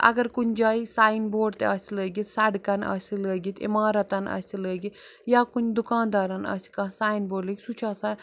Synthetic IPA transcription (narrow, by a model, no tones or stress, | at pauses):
ɐ̰ɡɐɾkunʲd͡ʒaːisaːjinboːɽt̪eɐsiləːɡit̪sɐɽkɐnɐ̰siləːɡit̪ḭmaːɾɐt̪ɐnɐ̰siləːɡijaːkunʲd̪ukaːnd̪aːɾanɐ̰si̥kãːsaːjnboːɽləːkʲsut͡ʃʰaːsaːn